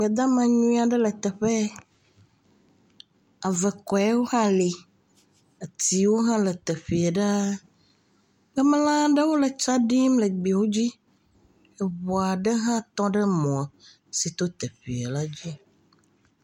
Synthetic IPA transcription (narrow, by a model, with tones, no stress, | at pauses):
ɡ͡bɛ˨d̪a˦mã˨ɲũ˦a˨ɖɛ˦lə˨t̪ɛ˨ɸɛ˦ | a˨vɛ˨kɔ˨ɛ˦wo˦hã˦li˨ | ə˨t̪i˨wo˦ɦã˦lə˨t̪e˨ɸi˨e˨ɖa˦ | ɡə˦m˦lã˦ɖə˦wo˦lə˨t͡ʃa˦ɖi˦mlə˨ɡ͡bi˨wo˦d͡ʑi˦ | ɛ˨βɔ˨a˨ɖɛ˦ɦã˦t̪ɔ̃˦ɖə˦mɔ̃˨ | si˨t̪o˦t̪e˨ɸḭ˨e˨la˦d͡ʑi˦